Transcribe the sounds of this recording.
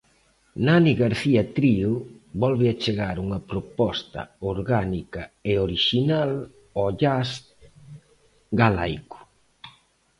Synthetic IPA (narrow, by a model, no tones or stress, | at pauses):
naniɣaɾθiɐt̪ɾiʊβɔlβɪat͡ʃeɣaɾuŋɐpɾopɔst̪ɐ̰oɾɣanikɐeoɾiʃinal | ɔʎas | ɡala̰jkʊ̥